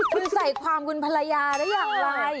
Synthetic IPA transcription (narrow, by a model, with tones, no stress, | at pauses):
kʰu˧nsa˨˩jkʰwaː˧mku˧npʰa˧la˧jaː˧daː˦˥˩jaː˨˩k̚laː˧j